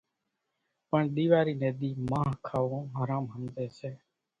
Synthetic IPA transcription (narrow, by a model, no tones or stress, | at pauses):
pəɳɗ̪iːʋaːɾiːneːɗ̪iːmãːɦkʰaːʋõːɦaːɾãːmɦənd̪eːseː